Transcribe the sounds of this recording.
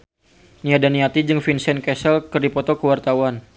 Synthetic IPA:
niadaniat̪id͡ʒɨŋfinsɛnkɛsəlkɨrdipɔt̪ɔkəwart̪awan

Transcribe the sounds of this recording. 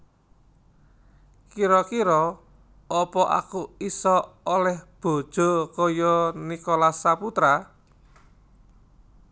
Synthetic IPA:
kiɾɔkiɾɔ | ɔpɔʔa̰kuisɔolɛhb̥o̤d̥ʒ̥o̤kɔjɔnikɔlasaput̪ɾa

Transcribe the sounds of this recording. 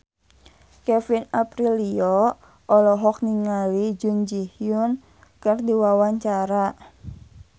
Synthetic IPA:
kɛfinapɾiliɔ | ʔɔlɔɦɔk̚niŋalid͡ʒund͡ʒihjun | kərdiwawaɲt͡ʃaɾa

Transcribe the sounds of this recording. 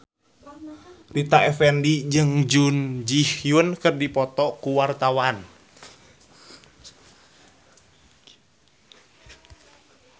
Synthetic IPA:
rit̪aɛfɛndid͡ʒɨŋd͡ʒund͡ʒihjunkɨrdipɔt̪ɔkuwart̪awan

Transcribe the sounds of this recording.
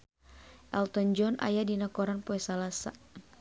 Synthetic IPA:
ʔɛlt̪ɔnd͡ʒɔna̰jadinakɔɾanpɔɛsalasa̰

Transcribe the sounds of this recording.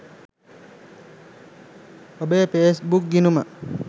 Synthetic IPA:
obeːpesbuk̚ɡinuma

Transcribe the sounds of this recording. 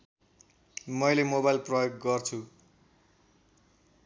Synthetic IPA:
mʌjlemobajlprʌjoɡːʌrt͡sʰu

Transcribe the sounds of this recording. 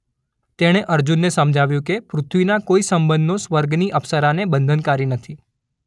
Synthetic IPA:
t̪eɽ̃eʔəɾd͡ʒunːesəmd͡ʒʱaʋjũkepɾʊt̪ʰʋinakoisəmbə̃nd̪osʋəɾɡniʔəpsəɾanebənd̪ʱənkaɾinət̪ʰi

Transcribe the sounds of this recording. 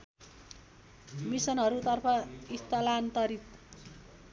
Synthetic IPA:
misʌnɦʌɾut̪ʌrpʰʌist̪ʌlant̪ʌɾit̪̚

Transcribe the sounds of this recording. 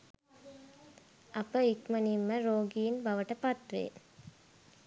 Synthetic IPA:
ɐpəikmɐnimːəɾoːɡiːnbɐʋəʈəpɐt̪ɾḛː

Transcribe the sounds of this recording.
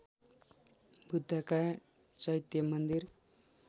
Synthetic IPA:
bʱud̪ʱːʌka | t͡sʌjt̪jʌmʌnd̪ir

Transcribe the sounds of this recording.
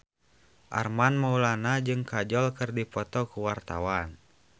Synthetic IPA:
ʔa̰rmanmaulanad͡ʒɨŋkad͡ʒɔlkɨrdipɔt̪ɔkuwart̪a̰wan

